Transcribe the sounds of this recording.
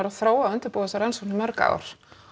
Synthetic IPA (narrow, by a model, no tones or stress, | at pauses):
ɛɾaθɾoːwaʏnt̪ɪɾpoːðasaɾɛnsɔnɪmɛɾka̰ɾ̥